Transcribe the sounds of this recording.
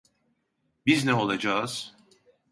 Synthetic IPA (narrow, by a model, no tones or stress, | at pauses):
biznɛo̞lˠad͡ʒaz̥